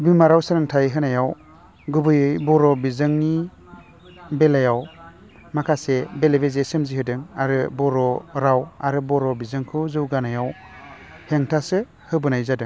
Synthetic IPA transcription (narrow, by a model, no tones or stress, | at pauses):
bimaɾawsɯɾɯŋtʰajɦɯnajaw | ɡɯbɯjɯjbɔɾɔbizɯŋni | belajaw | makʰasebelebezesɯmzihɯdɯŋaɾɯbɔɾɔɾawaɾɯbɔɾɔbizɯŋkʰɯzɯwɡanajaw | heŋtʰasɯ | hɯbɯnajzadɯŋ